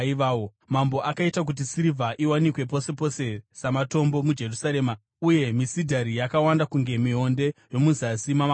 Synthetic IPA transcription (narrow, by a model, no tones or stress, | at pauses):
iʋao | mambo̞ʔakaitak̬ut̬isiɾivʱaʔiwanikwe̞p̬o̞se̞po̞se̞samato̞mbo̞mud͡ʒe̞rusaɾe̞ːma | uje̞misidʱaɾijakawandakuŋɡe̞miɦo̞nde̞jo̞muzasimaa